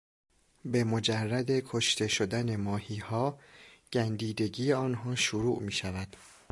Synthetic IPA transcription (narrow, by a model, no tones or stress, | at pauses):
be̞mod͡ʒærːæd̪e̞kʰoʃt̪ʰeʃod̪æne̞mɒːhiːhɒːɟ̥ænd̪iːd̪e̞ɡiːeɒːnɦɒːʃoɾuːʔmiːʃævæd̪̥